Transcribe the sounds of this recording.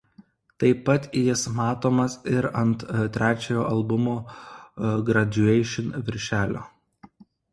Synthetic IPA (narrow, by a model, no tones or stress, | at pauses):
t̪ɐɪpːɐt̪jɪsmɑːt̪oːmɐsɪɾɐnt̪t̪ʲːɾʲʔæːt͡ʃʲɛjoːʔɐlˠbʊmoː | ɡɾɐd͡ʒʲʊɛɪʃʲɪnʋʲɪɾʲʃʲæːlʲo̰ː